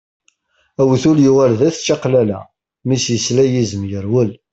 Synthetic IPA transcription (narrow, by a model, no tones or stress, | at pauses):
æwθuljuʁæɾðæθt͡ʃːɑqlælæ̰ | misjəslæjizəmjəɾwəl